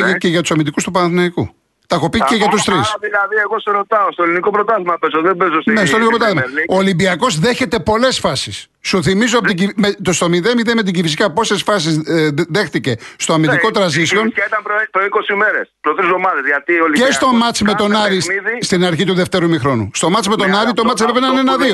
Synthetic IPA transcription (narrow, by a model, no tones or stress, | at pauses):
iceʝɐt̪usɐmind̪ikust̪upɐnɐθinɐikṵ | t̪ɐxo̞piceʝɐt̪ust̪ɾisðilɐðieɣoseɾot̪ɐost̪oeliniko̞pɾot̪ɐðimɐpesoðebezosnesolikopɾot̪ɐðmɐoolimbiɐko̞zðeçe̞t̪e̞po̞le̞sfɐsisː | uθimizoɐpot̪imet̪ost̪o̞miðemiðemet̪̬iɟifisikɐpo̞se̞sfɐs̬izðe̞xθice̞st̪o̞ɐmid̪iko̞t̪ɾɐzisio̞nɐit̪ɐmpɾopoiko̞sime̞ɾespot̪ɾizomɐðezʝɐt̪ioliest̪o̞mɐt͡sime̞t̪o̞nɐɾisiist̪inɐɾçit̪uðeft̪e̞ɾumixɾo̞nust̪o̞mɐt͡simet̪o̞nɐɾit̪o̞mɐt̪t͡ssppenɐnenɐðio